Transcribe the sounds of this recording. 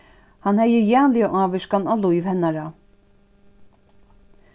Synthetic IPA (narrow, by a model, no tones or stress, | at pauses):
hanhɛjəjɛːnlɪjaʔaːʋɪʃkanalɔjvhɛnːaɾa